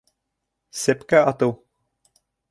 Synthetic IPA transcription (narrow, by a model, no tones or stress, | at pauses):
sepkæɑt̪ɤw